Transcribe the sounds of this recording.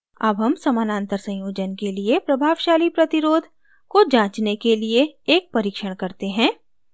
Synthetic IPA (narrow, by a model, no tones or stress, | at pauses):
ɐbɦɐmsɐmaːnãːnt̪əɾsɐ̃j̃joːd͡ʒənkeliepɾɐbʱaːʋʃaːlipɾɐt̪ɪɾoːd̪ʱ | kod͡ʒãːt͡ʃnekelieeːk̚pɐɾiːkʃəɽ̃kɐɾt̪eɦɛ̃ː